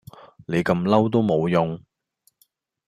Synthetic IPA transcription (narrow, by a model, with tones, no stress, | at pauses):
ne˨˧jkɐ˧mlɐ˥wt̪̬o˥wmo˨˧wjʊ˨˧ŋ